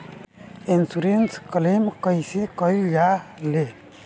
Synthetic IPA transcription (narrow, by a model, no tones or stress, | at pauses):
insuɾenskəlimkəjsekəjjale